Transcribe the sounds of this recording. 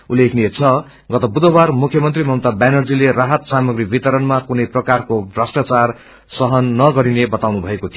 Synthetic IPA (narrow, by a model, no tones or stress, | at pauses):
ulːekʰniet͡sʰʌ | ɡʌt̪ʌbud̪ʌwarmukʰjʌmʌnt̪rimʱʌmt̪abanʌrd͡zileraɦʌt̪samʌɡribit̪ʌɾʌnmakunʌjprʌkarkobrasʈat͡sar | sʌɦʌnːʌɡʌɾinebʌt̪awnubʱʌekot̪ʰijo